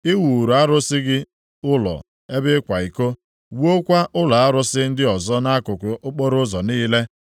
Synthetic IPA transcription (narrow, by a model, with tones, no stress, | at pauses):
ɪ˦wu˨ɾu˨a˦ɾʊ˦sɪ˦ɡɪ˦ | ʊ˦lɔ̰˨ | e˦bɪ˦kʷa˨i˨ko˦ | wo˦kʷa˦ʔʊ˦la˨a˦ɾʊ˦sɪ˦n̩˦dɪ˦ɔ˨zɔ˦na˦kʊ˨kʷʊ˨ʊ˦k͡po˦ɾʊ˦zɔ˨niː˦le˦